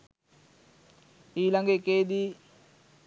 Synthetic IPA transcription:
iːlaŋɡəekeːd̪i

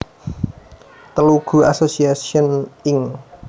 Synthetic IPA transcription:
t̪əluɡ̥ṳasosiasiɔnɪŋ

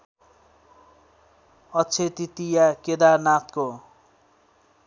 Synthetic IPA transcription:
ʌt͡sʰet̪it̪ijaked̪anat̪ko

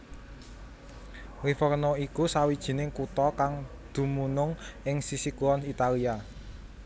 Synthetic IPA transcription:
ɾifərnɔikusawid̥ʒ̥i̤nɪŋkut̪ɔkaŋd̪̥ṳmunʊŋɪŋsisikuɔnit̪alia

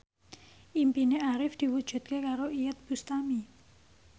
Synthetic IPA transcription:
ʔimpineaɾɪfd̪̥i̤wud̥ʒ̥ṳt̪̚kekaɾoijət̪̚b̥ust̪ami

